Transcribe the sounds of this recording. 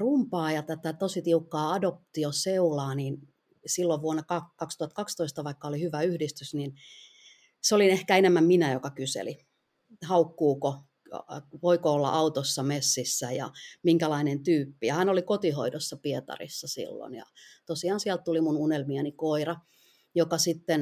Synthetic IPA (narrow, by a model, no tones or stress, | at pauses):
rumpɑːjɑt̪æt̪æt̪osit̪iukːɑːɑdop̚t̪ioseulɑːnin | silːoʋʋuonːɑkɑkɑkst̪uhɑt̪kɑkst̪oist̪ɑʋɑikːɑolihyʋæyhdist̪ysnin | seolinehkæenemːæmminæjokɑkysḛli | hɑukːuːko | poikoolːɑ̰ʔɑut̪osːɑmesːisːæjɑ̰miŋkælɑinent̪yːpːijɑhænolikot̪iho̰idosːɑpiet̪ɑ̰rḭsːɑsḭlːo̰njɑ̰t̪osiɑːnsiælt̪t̪ulimununelmiænikoirɑ | jokɑsit̪ːen